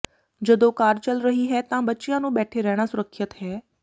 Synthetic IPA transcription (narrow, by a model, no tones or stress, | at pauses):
d͡ʒɐd̪okaːɾt͡ʃɐlɾɐɦiɦɛt̪ãbɐtːʃijãnũːbɛːʈʰeɾɛɦɽ̃asʊɾəkʰjət̪ɦɛː